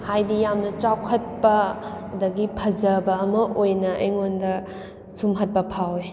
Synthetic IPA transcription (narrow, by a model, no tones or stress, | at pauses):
hajdijamnɐt͡ʃawkʰɐt̚pɐ | dɐɡipʰɐzɐbɐːmɐʔojnɐʔɐ̰jŋondɐ | sumɦɐt̚pɐpʰawe